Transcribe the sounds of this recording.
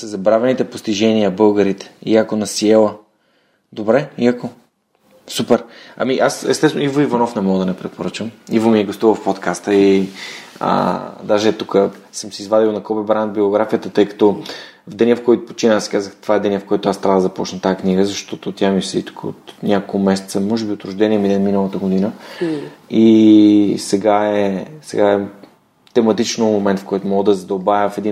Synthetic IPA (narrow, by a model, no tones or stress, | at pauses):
səzɐbɾavɛnit̪ɛpost̪iʒɛnijəbɤlˠɡəɾit̪ɛ̥ḭakonɐsiɛlˠə | d̪obɾɛiako | supɛɾɐ̰miʔasɛ̰st̪ɛsnivoivɐnɔfnɛmɔɡəd̪ɐnɛpɾɛt̪̚poɾət͡ʃəmivomiɛɡost̪uvəfpot̪kʰast̪əi | ə̰d̪aʒɛt̪ukəsəmsɛizvad̪ilˠnɐkɔbɛbɾand̪̚bioɡɾafijət̪ət̪ɤjkɐ̥t̪ɔ | vd̪ɛnʲəfkɔjt̪ʊ̥po̥t͡ʃinəsɛ̥kazəxt̪ovaɛd̪ɛnʲəfkoɔjt̪ʊast̪ɾavd̪əzɐpɔt͡ʃnət̪ajakniɡəzɐʃt̪ɔt̪ot̪ʲjamisɛḭt̪u̥kəo̰t̪nʲakokʊmɛsɛt̪səmɔʒɛbiot̪ɾʊʒd̪ɛniɛmid̪ɛnminəlˠət̪əɡod̪inə | i | sɛɡaɛsɛ̰ɡaɛ | t̪ɛmɐt̪it͡ʃnomomɛnt̪fkɔjt̪ʊmɔɡəd̪ɐzɐd̪obavʲjəfɛd̪i